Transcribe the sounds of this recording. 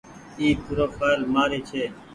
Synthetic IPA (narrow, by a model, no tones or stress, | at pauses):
iːpʰʊɾoːfaːlmaːɾeːt͡ʃʰeː